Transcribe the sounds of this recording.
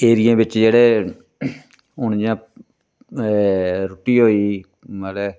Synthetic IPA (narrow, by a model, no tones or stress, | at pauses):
eːɾijãːbɪt͡ʃd͡ʒeːɽeː | ʊñd͡ʒãː | ɾoʈiːɦoːiː | məle